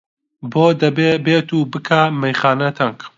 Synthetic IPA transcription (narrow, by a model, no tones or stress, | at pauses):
boːd̪ɐbebeːt̪uːbɨkʰaːmɐjχaːnɐt̪ʰɐŋk